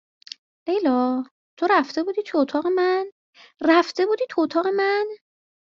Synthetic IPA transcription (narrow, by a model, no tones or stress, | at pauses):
ʔejlɒː | t̪ʰo̞ɾæft̪e̞buːd̪iːt̪ʰuot̪ʰɒːɣe̞mæn | ræft̪e̞buːd̪iːt̪ʰuot̪ʰɒːɣe̞mæn